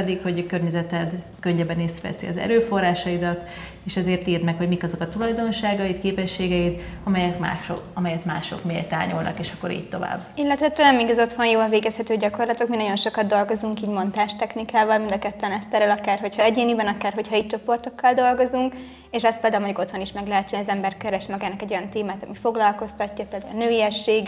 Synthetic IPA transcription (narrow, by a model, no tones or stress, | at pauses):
d̪ikho̞ɟkørɲɛzɛt̪ɛd̪ | køɲːɛbɛneːsvɛ̰sḭɒ̰zɛ̰ɾøːfo̞rːaːʃɒjid̪ɒt̪ | eːʃɛzeːrt̪iːrnɛkho̞ɟmikɒzo̞kɒt̪ulɒjd̪o̞nʃaːɡɒjit̪keːpɛʃːeːɡɛit̪ɒmɛjɛka̰ːʃoɒmɛjɛt̪ma̰ːʃo̞̰kmḛːlt̪a̰ːɲulnɒ̰keːʃɒkːo̞ɾḭːɟ̚t̪o̞va̰ːbːilːɛt̪ʋɛt̪ːønɛmːiɡɒzo̞t̪honjoːlɒveːɡɛshɛt̪øːɟɒko̞rlɒt̪okminɒɟo̞nʃo̞kɒd̪d̪o̞lɡo̞zuŋkiːɟmo̞nt̪aːʃt̪ɛknikaːvɒlmind̪ɒkɛt̪ːɛnɛst̪ɛɾɛlɒkaːrɦo̞chɒɛɟeːnibɛnɒkaːrɦo̞chɒiːc̚t͡ʃo̞po̞rt̪o̞kːɒld̪o̞lɡo̞zuŋk | eːʃɛstpeːld̪aulmɒɲɟoko̞t̪honiʃmɛɡlɛɦɛt͡ʃːɛnɒzɛmbɛrt̪kɛɾɛʃmɛɡɛnːɛkɛɟo̞jɒnt̪eːmaːt̪ɒmifo̞ɡlɒlko̞st̪ɒcːɒpeːld̪a̰lnøːiɛʃːeːɡ